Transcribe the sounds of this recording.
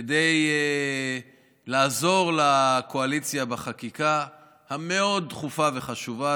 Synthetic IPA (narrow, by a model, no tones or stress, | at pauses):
deje | laːzo̞ʁlakoalit͡sjabaχakika | hame̞o̞d̪̚tχufave̞χaʃuva